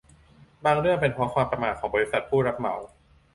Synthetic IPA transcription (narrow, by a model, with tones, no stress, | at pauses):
baː˧ŋɾɯ˥˩əŋpe˧npʰɾɔ˦˥kʰwaː˧mpɾa˧maː˨˩t̪̚ʰɔː˩˦ŋbɔː˧ɾi˦˥sa˨˩t̪̚pʰuː˥˩ɾa˦˥p̚ma̰˩˦w